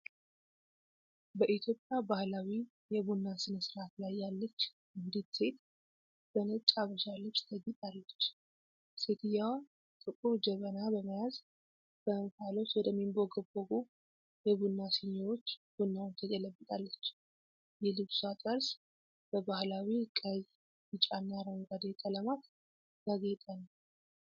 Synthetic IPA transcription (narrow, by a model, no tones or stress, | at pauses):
bəʔit̪ʰjo̞pʼjabahlawi | jɛβunːasɨnɨsɨɾat̪lajːalːət͡ʃː | ɨnd̪it̪se̞t̪ʼ | b̥ənət͡ʃʼaβəʃalət͡ʃːt̪ʰəɡːit̪ʼalːət͡ʃː | set̪ʰɨjaw | t̪ʼɨkʼːumd͡ʒəβənabəməjaz | b̥ənfalo̞t͡ʃwɔd̪əmːimboɡəbəɡu | jɛbunːasɨɲːawot͡ʃːb̥unːawnt̪ʰəɡələbːət̪ʼalːət͡ʃː | jɛlɨβsat̪ʼəɾs | b̥əbahlawikʼəz | jɨt͡ʃʼanːaɾəŋɡad̪ekʼələmat̪ | ɡ̥aɡet̪ʼanːw